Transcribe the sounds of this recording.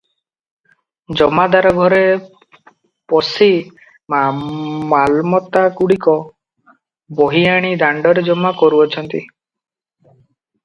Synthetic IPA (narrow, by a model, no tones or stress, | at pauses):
d͡ʒɔmad̪aɾɔɡʱɔɾe | pɔsi | mamalmɔt̪akuɽikɔ | boɦiaɽ̃id̪aɳɖɔɾed͡ʒɔmːakɔɾuɔt͡ʃʰɔnt̪i